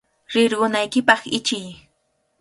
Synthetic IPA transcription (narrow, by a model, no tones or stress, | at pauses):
ɾɪɾɢʊnajkɪpɑχɪt͡ʃɪj